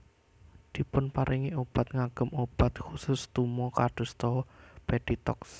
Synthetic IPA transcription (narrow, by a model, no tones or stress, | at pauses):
d̪̥i̤pʊnpaɾʔiŋiob̥a̤t̪̚ŋaɡ̥əmob̥at̪̚xusʊst̪umɔkaɖ̥ṳst̪ɔpeɖ̥it̪ɔ̰ks